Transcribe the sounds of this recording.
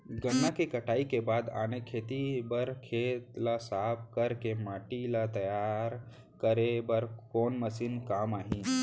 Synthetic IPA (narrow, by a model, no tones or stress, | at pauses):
ɡəŋːãkekəʈaːikebaːd̪a̰ːnekʰeːt̪ibəɾkʰeːt̪lasaːp̚kəɾkemaːʈilat̪ɐjaːɾ | kəɾebəɾkoːnməsiːnkaːmaːɦĩ